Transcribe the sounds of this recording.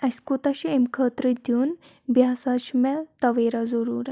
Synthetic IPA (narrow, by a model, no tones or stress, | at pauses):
ɐsʲkut̪ɐʃʰiemkʰəːt̪ɾəd̪jun | bjaːsat͡ʃʰmɛt̪ɐʋeːɾazɐɾuːɾ